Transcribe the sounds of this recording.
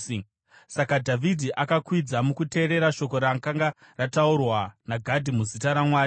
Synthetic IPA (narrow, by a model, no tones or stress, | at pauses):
sakadʱavʱidʱiʔakakwid͡zamukute̞ːɾe̞ɾaʃo̞ko̞ɾaŋkaŋɡa | rataurwanaɡʱadʱimuzitaɾamwaːj